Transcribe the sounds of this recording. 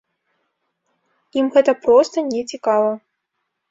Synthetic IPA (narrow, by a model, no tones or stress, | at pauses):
imɣɛt̪ɐpɾɔst̪ɐnʲɛt͡sʲikavɐ